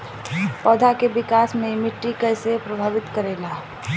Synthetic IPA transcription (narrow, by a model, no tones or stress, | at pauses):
pɔːd̪ʱakebɪkaːsmẽmɪʈːikɐɪsepɾəbʱaːʋɪt̪kəɾeːlaː